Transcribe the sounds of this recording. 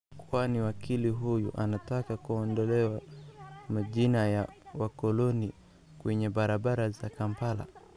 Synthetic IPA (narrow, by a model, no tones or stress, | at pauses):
kwaniwakʰiliɦujuʔanatakakuɔndɔlɛwa | maʄinajawakɔlɔni | kwɛɲɛɓaɾaɓaɾazakampala̰